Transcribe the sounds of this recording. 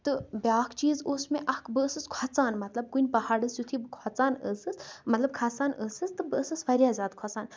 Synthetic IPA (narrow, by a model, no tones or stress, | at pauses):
t̪ɨbʲaːkʰt͡ʃiːzoːsmeʔɐkbɨəsɨskʰat͡saːnmɐt̪lɐb̚kunʲpɐhaːɖɨsjut̪ʰibɨkʰat͡saːnə̰sɨsmɐt̪lɐb̚kʰasaːnəːsɨst̪ɨbɨsɨsfɐɾʲijaːzʲaːd̪kʰɔt͡saːn